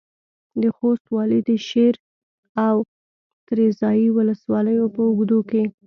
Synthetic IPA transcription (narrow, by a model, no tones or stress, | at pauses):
d̪əxost̪wɑləd̪əʃeɾ | aw | t̪ɾezɑjiwʊləswɑləjopəʊɡd̪oke